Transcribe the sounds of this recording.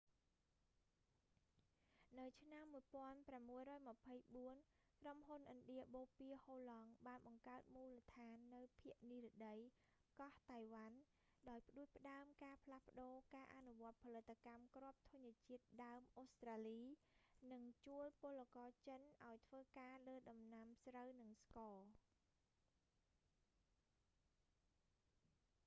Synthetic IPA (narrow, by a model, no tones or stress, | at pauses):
nɨwt͡ɕʰnamːuəjpŏənpramːuəjrɔːjmə̆pʰəjɓuən | kromɦunʔənɗiəɓoːpiəhoːlɑŋɓaːnɓɑŋkaət̪̚muːlət̪ʰaːnːɨwpʰiəʔniːɾə̆ɗəj | kɑht̪ajʋan | ɗaɔjpə̆ɗuəc̚pə̆ɗaəmkaːpʰlahpə̆ɗoːkaːʔanuʋŏət̪̚pʰɑlɨt̪ʰːakamkrŏəp̚t̪ʰŭəɲiət͡ɕiət̪̚ɗaəmʔoːst̪raːliː | nɨŋt͡ɕuəlpʊlːakɑːt͡ɕənʔaɔjt̪ʰʋəːkaːləːɗɑmnamsrəwnɨŋskɑː